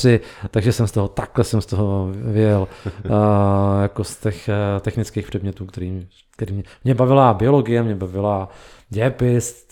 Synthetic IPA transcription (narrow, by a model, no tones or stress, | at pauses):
ɪt̪aɡʒɛsɛmst̪oɦot̪aklɛsɛmst̪oɦovɪjɛl | jakost̪ɛxt̪ɛxnɪt͡skiːxpr̥ɛd̪mɲɛt̪uːkt̪ɛɾiː | kt̪ɛɾiːmɲɛmɲɛbavɪlabɪo̞lo̞ɡɪjɛmɲɛbavɪlaɟɛpɪst̪